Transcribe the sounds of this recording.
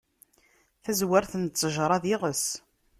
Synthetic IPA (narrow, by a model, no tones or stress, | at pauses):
θæzwəɾθənt͡sːəʒɾˤɑðɪʁəs